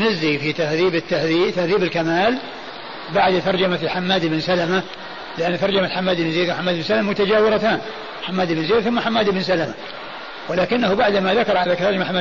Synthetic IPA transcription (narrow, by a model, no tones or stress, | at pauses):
nazːifit̪ahðiːbɪt̪ːahðiːt̪ahðiːbɪlkamaːl | baʕd̪t̪ɑɾˤd͡ʒamafiħamːaːd̪ɪbnsalama | lɪʔanːt̪ɑɾˤd͡ʒamalħamːaːd̪ɪbnzeːd̪wħamːaːd̪ɪbɪnsalamamʊt̪ad͡ʒaːwɪɾˤat̪aːn | ħamːaːd̪ɪbnzeːd̪θʊmːaħamːaːd̪ɪbnsalama | wɪlaːkɪnːahubaʕd̪maðakɑɾˤʕalakt̪ɑɾˤd͡ʒmaħamːa